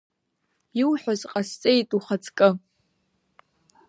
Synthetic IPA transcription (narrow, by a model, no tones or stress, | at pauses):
iwħʷᶣazqʼast͡sʼejtʼuχat͡sʰʼkʼɨ